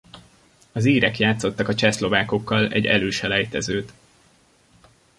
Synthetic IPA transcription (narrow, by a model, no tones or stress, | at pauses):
ɒziːɾɛkjaːt̪so̞t̪ːɒkɒt͡ʃɛslo̞vaːko̞kːɒlɛ̰ɟːɛ̰løːʃɛlɛjt̪ɛzøːt̪